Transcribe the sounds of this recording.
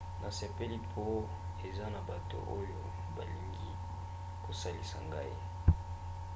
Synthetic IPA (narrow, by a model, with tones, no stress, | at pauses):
na˨se˨pe˦li˦pʰo˦ | e˨za˦na˨ba˨to̰˨ʔo˦jo˨ | ba˨li˨ŋɡi˦ | ko˨sa˦li˨sa˨ŋɡa˦ḭ˦˨